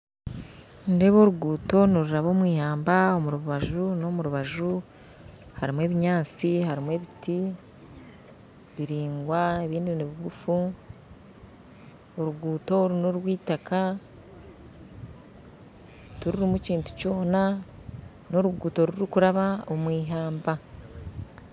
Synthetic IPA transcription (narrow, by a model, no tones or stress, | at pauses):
nde̞βo̞ːɾuɡuːto̞niɾuɾaβo̞ːmwiːhaːmbao̞muɾuβuβaʒuno̞muɾuβaʒu | haɾimwe̞ːβiɲaːt͡sihaɾimwe̞βiti | βiɾiːŋɡwaeβiːndiβiniβiɡufu | oɾuɡuːto̞ɾuno̞ɾwiːtaka | tuɾuɾimuciːntu̥co̞ːna | no̞ɾuɡuːto̞ɾuɾikuɾaβaomwiːɦaːmba